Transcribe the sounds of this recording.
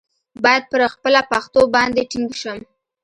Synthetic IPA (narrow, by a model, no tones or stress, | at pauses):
bɑjad̪̚pəɾxpəlapaxt̪obɑnd̪eʈiŋɡʃəm